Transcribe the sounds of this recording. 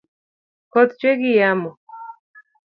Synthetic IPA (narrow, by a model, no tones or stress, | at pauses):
kɔt̪t͡ʃweɡijamɔ